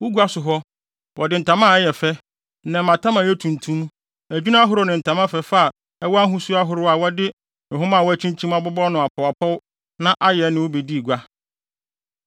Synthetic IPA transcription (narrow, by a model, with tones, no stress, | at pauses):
wʊ˦ɡu˦a˦sʊ˨ɦɔ˦ | wʔɔ˨dɪ˨˦n̩˨tʰã˨˦mã˦˨ɛ˦jɛ˨fɛ˦ | n̩˨nɛ̃˨mã˨tʰã˦mã˨jɛ˦tʰũ˨ntʰũ˦m | æ˨d͡ʑᶣu˦nã˦a˦ɦʊ˦ɾʊ˦nɪ̃˨n̩˨tʰã˨mã˦fɛ˨fa˦a˨ | ɛ˦wɔ˦a˦ɦũ˦su˦a˦ɦʊ˨ɾʊ˦a˨wɔ˦dɪ˦ | ɪ̃˨ɦʊ̃˦mã˦˨wɔ˦æ˦t͡ɕʰĩ˦ɲ˦t͡ɕʰĩ˦ma˦bʊ˦bɔ˦nʊ̃˨a˨pʰɔ˨a˨pʰɔ˦w | nã˦ʔa˦jɛ˨˦nɪ̃˨wo˦be˨di˦˨ɡʷa˦